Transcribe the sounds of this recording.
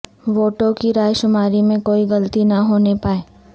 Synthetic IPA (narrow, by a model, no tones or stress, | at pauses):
ʋoːʈokiɾaːjʃʊmaːɾimẽkoːiɡɐlət̪inɐɦoːnepaːeː